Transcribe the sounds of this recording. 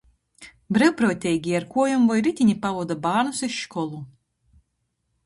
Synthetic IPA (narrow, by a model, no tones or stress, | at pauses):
bɾɛwpɾɔːt̪ʲɛjɡʲiaɾkuɔjumvɔjɾit̪ʲinʲipavuɔd̪abaːnusiʃʃkɔlˠu